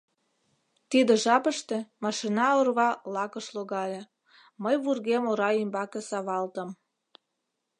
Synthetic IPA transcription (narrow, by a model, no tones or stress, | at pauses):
t̪id̪ĕʒɑpəʃt̪ĕmɑʃinɑorβɑlɑkəʃloɣɑlʲe | məjβurɣemoɾɑimbɑkesɑβɑlt̪əm